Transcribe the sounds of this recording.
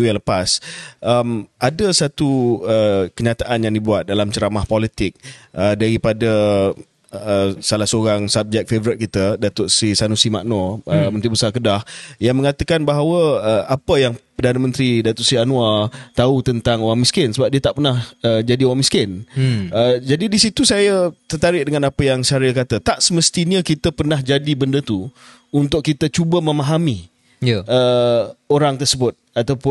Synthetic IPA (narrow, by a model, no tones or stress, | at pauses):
ujãŋləpasʔəmʔadəsat̪uəkəɲat̪aʔanjaŋdibuat̪̚dalamt͡ʃəɾamahpɔlit̪ɪk̚ədaɾipada | salahsoɾaŋsap̚d͡ʒɛk̚fevəɾɪt̪̚kit̪ədat̪ʊtsisanusima̰ʔnɔəmənt̪ɾibəsakədahjaŋmə̃ŋat̪əkanbaɦawəəʔapəjaŋpərdanamə̃nt̪ɾidat̪ɔʔsɾianuat̪aut̪ənt̪aŋowaŋmiskɪnsəbap̚diət̪aʔpərnahəd͡ʒadiowaŋmiskɪnəd͡ʒadidisit̪usajət̪ərt̪aɾɪʔ̚dəŋãnapəjaŋsaɾɪlkat̪ət̪aʔsəməst̪iɲəkit̪əpərnahd͡ʒadibəndət̪u | unt̪ʊkkːit̪ət͡ʃubəmə̃maɦami | ə | oɾaŋt̪ərsəbʊt̪̚at̪awpʊ